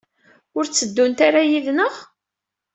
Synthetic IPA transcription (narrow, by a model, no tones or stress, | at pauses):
ʊɾt͡sːəd̪ːunt̪aɾajiðnəʁ